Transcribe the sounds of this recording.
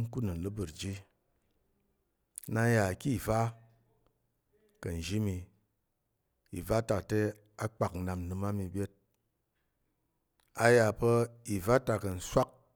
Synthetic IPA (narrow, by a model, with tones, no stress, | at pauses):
ku˦nu˨lɨ˦bɨ˨ɾd͡ʒi˦ | na˧˦ja˨kʲi˦˨va˦ | kɐ˨n̩˨ʒi˦mi˧ | i˨va˦ta˨te˦ | a˦k͡pa˨kna˨mnɨ˧ma˦mi˨˧bʲe˦t̚ | a˦ja˨pə˦i˨va˦ta˨kɐ˨n̩˨sʷa˦k̚